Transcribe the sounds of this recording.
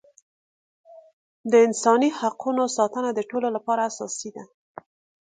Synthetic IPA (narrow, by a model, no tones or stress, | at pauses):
d̪əɪnsɑnihaqʰunosɑt̪ənad̪əʈololapɑɾaːsɑ̰sid̪a